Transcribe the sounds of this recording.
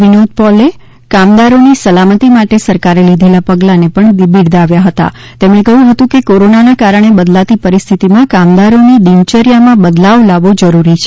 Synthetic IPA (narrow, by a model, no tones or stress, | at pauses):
ʋinod̪̚pɔle | kamd̪aɾonisəlamət̪imaʈesəɾkaɾelid̪ʱelapəɡlanepəɳibiɽd̪aʋjaɦət̪a̰ | t̪emɽ̃ẽkəɦjũɦət̪ũkekoɾonanakaɾəɳ̃ebəd̪lat̪ipəɾist̪ʰit̪imãkamd̪aɾonid̪imt͡ʃəɾjamãbəd̪laʋlaʋod͡ʒəɾuɾit͡ʃʰe